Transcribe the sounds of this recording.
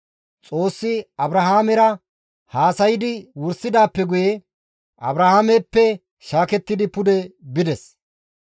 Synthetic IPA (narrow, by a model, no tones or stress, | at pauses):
t͡sʼo̞ːsːɪɐbɾɐɦaːmɛɾɐ | haːsɐjɪd̪ɪwʊɾsːɪd̪aːpːɛɡʊje | ʔɐ̰bɾɐhaːmɛpːɛ | ʃaːkɛt̪ːɪd̪ɪpʊd̪ɛbɪd̪ɛs